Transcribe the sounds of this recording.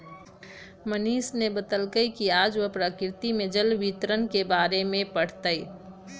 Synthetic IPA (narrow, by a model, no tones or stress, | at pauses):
məniːsnebət̪əlkəikiaːd͡ʒʋəpɾəkɾɪt̪imẽd͡ʒəlʋit̪ɾənkebaːɾemẽpəɽ̤t̪əi